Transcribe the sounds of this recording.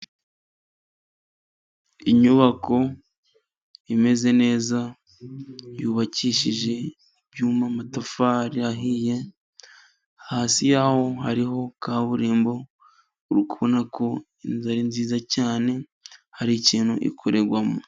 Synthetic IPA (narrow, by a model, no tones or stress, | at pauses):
iɲuβako̞ | ime̞ze̞ne̞ːza | juːβaciʃiʒe̞ | bjuːmamatafaɾiaɦije̞ | haːsijaːho̞haɾiɦo̞kaːβuɾiːmbo̞ | uɾukuβonakʰo̞ | inzaɾinziːzacaːne̞ | haɾiciːn̥hṵʔḭkʰo̞ɾe̞ɾɡwamo